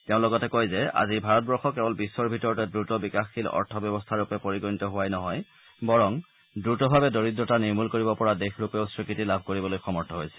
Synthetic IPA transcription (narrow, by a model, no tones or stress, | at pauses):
tɛʊ̃lɔɡɔtɛkojzɛa̰zibʱaɹɔt̚bɔɹxɔkɛbɔlbisːɔɹbʱitɔɹɔtɛdɹutɔbikaxːilɔ̰ɹtʰɔbjɔbɔstʰaɹupɛpoɹiɡɔnitɔɦʊwajnɔɦɔj | bɔɹɔŋ | dɹutɔbʱabɛdoɹitɹɔtaniɹmulkoɹibɔpɔɹadexɹupɛʊsɹikitilabʱkoɹibɔlojxɔmɔɹtʰɔɦojsɛ̥